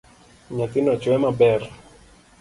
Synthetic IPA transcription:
ɲat̪ɪnɔt͡ʃwɛmabɛr

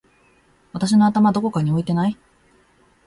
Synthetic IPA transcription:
βat̪aɕ̬ino̞at̪amad̪o̞ko̞kaɲ̟io̞it̪e̞nai

